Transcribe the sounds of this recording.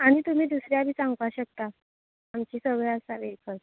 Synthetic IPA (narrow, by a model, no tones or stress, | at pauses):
aɽ̃it̪um̤iːd̪usɾjabʱiːsãŋɡʋaɕək̚t̪a | amt͡ɕiːsəɡɭasaʋekʰəl